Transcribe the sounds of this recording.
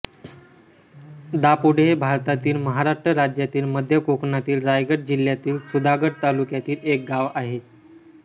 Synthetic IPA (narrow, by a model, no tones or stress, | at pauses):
d̪apuɽebʱaɾt̪at̪iːlməɦaɾaʂʈɾəɾad͡ʑjat̪iːlməd̪ʱjəkokɳat̪iːlɾajɡəʈ̚d͡ʑiljat̪iːlsud̪aɡəɽ̚t̪alukjat̪iːlek̚ɡaʋaɦe